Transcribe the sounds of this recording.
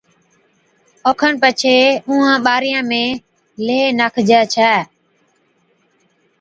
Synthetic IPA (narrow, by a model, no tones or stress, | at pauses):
oːkʰəɳpət͡ʃʰeːũːãːɓaːɾɪjãːmẽː | leːnaːkʰd͡ʒɛːt͡ʃʰɛː